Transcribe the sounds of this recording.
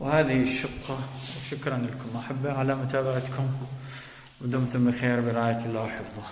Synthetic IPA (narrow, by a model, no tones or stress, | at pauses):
whaːðiʃːʊqːɑwʃʊkɾˤɑnlkʊmaħabːaʕalamʊt̪aːbaʕat̪kʰʊm | wɪd̪ʊmt̪ʊmbɪxeːɾbɪɾˤɑːjalːaːwħɪfðˤɑ